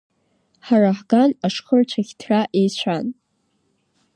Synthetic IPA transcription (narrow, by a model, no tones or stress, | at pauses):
ħaraħɡanaʂχərt͡ʃʷʰaɣʲtʰraʔejt͡ɕʷʰan